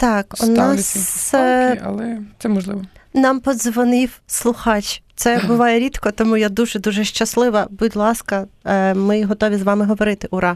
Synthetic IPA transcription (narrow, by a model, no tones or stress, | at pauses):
t̪ɑkʊnɑs | ɐ̰lˠɛt̪sɛmɔʒlˠɪʋɔnɑmpɔd̪zʋɔnɪwslˠʊxɑt͡ʃʲt̪sɛbʊʋɑjɛɾʲit̪kɔt̪ɔmujad̪uʒɛd̪uʒɛʃt͡ʃɐslˠɪʋɐbudʲlˠɑskɐmɪɦɔt̪ɔʋʲizʋɑmɪɦɔʋɔɾɪt̪ɪʔʊɾɑ